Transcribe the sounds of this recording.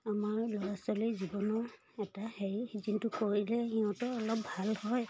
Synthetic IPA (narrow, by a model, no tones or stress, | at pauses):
amaɹlɔɹasɔlizibɔnɔɹ | ɛtaheɹizintukoɹilɛhiɔ̃tɔɔlɔp̚bʱalhɔj